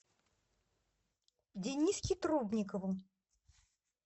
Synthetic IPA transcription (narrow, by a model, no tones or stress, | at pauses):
d͡zʲenʲiskʲit̪ɾubnʲikɐvu